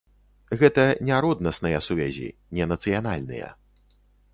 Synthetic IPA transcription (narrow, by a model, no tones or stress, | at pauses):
ɣɛt̪ɐnʲaɾɔd̪nɐsnɐjɐsuvʲazʲḭnʲɛnɐt̪sɨjanalʲnɨ̰jɐ̰